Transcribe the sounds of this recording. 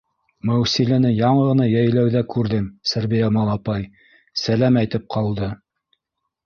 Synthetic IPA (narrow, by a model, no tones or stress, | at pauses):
mæwsilænɘjɑɴɤʁɤ̆nɑjæjlæwðækʉɾðɘmsæɾbijæmɑlˠɑpɑj | sælæmæjt̪ɘp̚qʰɑlˠd̪ɤ